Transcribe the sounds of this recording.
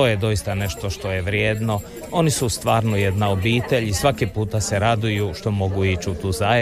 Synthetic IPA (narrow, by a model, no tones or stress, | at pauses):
ojed̪o̞jist̪ane̞ʃt̪o̞ʃt̪o̞jeʋɾjeːd̪no̞ | o̞nisust̪ʋaːɾnujed̪nao̞biːt̪e̞ʎisʋakipuːt̪ase̞ɾad̪ujuʃt̪o̞mo̞ɡuit͡ʃut̪uːza